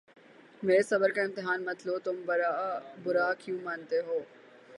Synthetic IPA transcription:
meːɾsɐbəɾkaɪ̃mt̪ɪɦaːnmɐt̪lot̪ʊm | bʊɾaːkʰjũmaːnt̪eɦoː

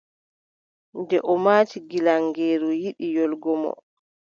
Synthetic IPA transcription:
ndɛʔɔmaːtiɡilaŋɡeːɾujiɗijɔlɡɔmɔ̰

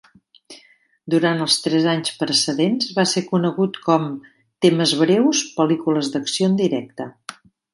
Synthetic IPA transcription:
d̪uɾant̪əlˠst̪ɾɛzaɲspɾəsəðenzβasekunəɣut̪kɔm | t̪eməzβɾɛwspəlikuləzd̪əksiond̪iɾɛk̚t̪ə

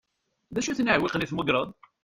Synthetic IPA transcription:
ðæʃuθnəʕwilqniθmʊɡɾˤəðˤ

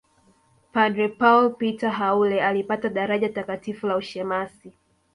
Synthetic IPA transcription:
padɾɛpaulpitaɦaulɛalipataɗaɾaʄatakatifulauʃɛmasi

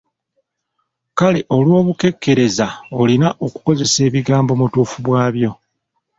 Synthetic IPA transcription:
kaleʔo̞lwo̞ːβuke̞kːe̞ɾe̞zaolinaʔo̞ku̥ko̞ze̞se̞ːβiɡaːmbo̞mutuːfuβwaːβjo̞

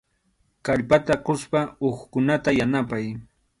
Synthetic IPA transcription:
kaʎpat̪aqʊspaoχkʊnat̪ajanapaj

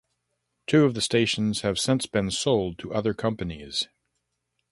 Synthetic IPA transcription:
tʰʉʌvðɨsteɪʃn̩z̥ɨv̥sɪ̃nsb̥ɨ̃nsoʊlˠd̚tʰəʔʌðə˞kʰʌ̃mpɨniz̥

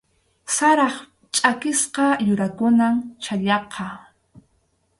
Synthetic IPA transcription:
saɾɑχ | t͡ʃʼakɪsqɑjʊɾakʊnamt͡ʃaʎɑqʰɑ

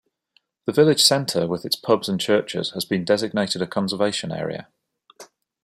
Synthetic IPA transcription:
ðəvɪlɪd̥ʒ̥sɛ̃ntʰəwɪðɪtspʰʌbz̥ə̃nt͡ʃʰɜˑt͡ʃɪ̰z̥əzbĩndɛzɪɡ̚neɪtɪdəkʰɒ̃nsəveɪʃə̃nɛ̰ːɹḭə̰

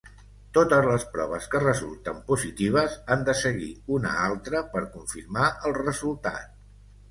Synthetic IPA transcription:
t̪ot̪əzləspɾɔβ̞əskərəzṵlˠt̪əmpuzit̪iβ̞əzand̪əsəɣḭunə̰alˠt̪ɾəpəɾkuɱfiɾmaʔəlˠrəzulˠt̪a̰t̪̚

